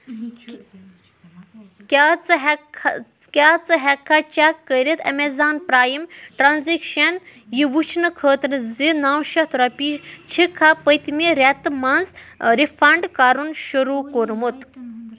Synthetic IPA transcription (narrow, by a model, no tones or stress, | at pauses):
kʲat͡sɦ | kʲaːt͡sɨɦɛkʰːat͡ʃakːəɾit̪ɐmezaːnpɾaːjimʈɾanzikʃɐnjiʋut͡ʃʰnɨkʰəːt̪nɨzinaːwʃɐt̪ʰuɾɐpit͡ʃʰikʰːapəjt̪miɾɛt̪mɐnzɾifɐɳɖkaːɾunʃuɾuːkoɾmut̪